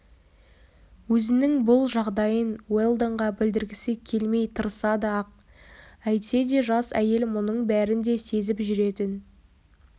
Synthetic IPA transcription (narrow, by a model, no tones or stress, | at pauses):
wɵzɪnɪŋbʊlˠʒɑʁd̪ɑjənwe̞lˠd̪oɴʁɑbɪld̪ɪɾɡʲɪsɪkʲʰːe̞lme̞jt̪ʰəɾəsɑd̪əɑq̚ | æjt̪se̞d̪e̞ʒɑsæje̞lmʊnəɴbæɾɪnd̪e̞se̞zɪpʒʏɾe̞t̪ɪn